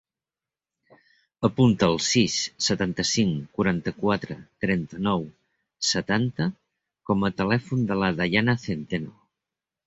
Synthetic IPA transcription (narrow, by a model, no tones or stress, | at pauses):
əpunt̪əːlˠsisːət̪ant̪əsiŋkuɾant̪əkwat̪ɾət̪ɾɛnt̪ənɔw | sət̪ant̪ə | kɔmət̪əlɛfund̪ələðaʎanəθent̪eno